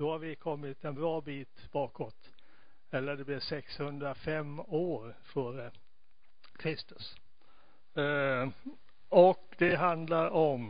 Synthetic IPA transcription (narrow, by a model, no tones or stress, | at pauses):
d̪̥ɔhaɾvɪkʰɔmːɪt̪ɛnbɾɑːbiːt̪b̥ɑːkɔt̪ | ɛlːəɖ̪ɛblɪʂɛkshɵnd̪ɾafɛmːoːɾ | fœːɾə | kʰɾɪst̪ɵ̥s | ɔkd̪ɛɦand̪laɾɔm